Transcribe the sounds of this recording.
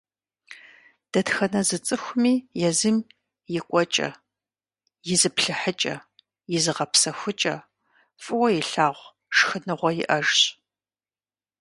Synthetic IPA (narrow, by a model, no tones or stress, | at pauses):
d̥ɐtxɐnɐzɨt͡sʼɨxʷʊmiːjɛzɨm | jɪkʷʼɔt͡ʃʼɐ̰ | jɪzɨpɬɨħət͡ʃʼɐ̰ | jɪzɨʁɐpsɐxʷʊt͡ʃʼɐ̰ | fʼɨwɔjɪɬaːʁʷ | ʂxɨnɨʁʷɔjɪ̰ʔɐʒɕ